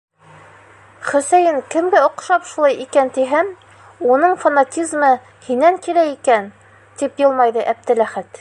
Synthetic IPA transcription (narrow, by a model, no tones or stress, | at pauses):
χɵ̆sæjɘŋkɘ̆mɡɘŏqʃɑpʃulˠɑjikænt̪iɦæm | unɤɴfanatʲizmɤ | hinːæŋkiɾæikæn | t̪ipjɤ̆lˠmɑjðɤʔæp̚t̪ɘlæχæt̪